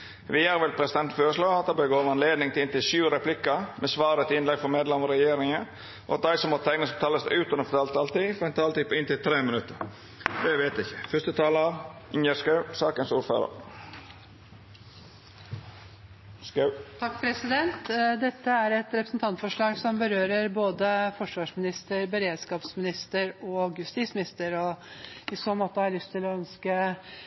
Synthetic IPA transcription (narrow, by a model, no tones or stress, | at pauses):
ʋɪjæːɾʋɛlpʰɾɛsɪd̪ɛnt̪føːɾəʂlɑːɑt̪̚d̪ɑbəɡoːʋɑnleːd̪nɪŋt̪ɪlɪnt̪ɪʃʉːɾɛpʰlɪkəmɛsʋɑːɾət̪ʰɪɪnlɛɡfɔmeːd̪lɛmɔɾɛjeːɾɪŋə | ʔɔ̰t̪̚d̪æɪsɔmːɔt̪t̪ʰɛŋnəsɔt̪ʰɑːləsd̪ʉːt̪ʉnəɾfɔt̪ʰɑːlt̪ɑlt̪ifɔɾɛɪnt̪ʰɑːlt̪ɪpɪnt̪ɪlt̪ʰɾeːmənʉt̪ːəɾ | d̪ɛʋeːt̪ɪçəfœst̪ət̪ʰɑːləɑɪnjəskɑʉsɑːkənsuːɾfø̰ːɾə̰ɾ | t̪ʰɑkːpʰɾɛsɪd̪ɛnt̪d̪ɛt̪ːəæɾɛt̪ɾɛpɾəsnt̪ʰɑnt̪fɔʂɭɑːɡsɔmbəɾøːɾəɾboːd̪əfɔʂʋɑːʂmɪnɪst̪əɾbəɾeːd̪skɑːpsmɪnɪst̪əɾɔɡjʉst̪iːsmɪnɪst̪əɾɔɪsoːnmoːt̪əhɑɾlʏst̪ʰɪlɔœnskə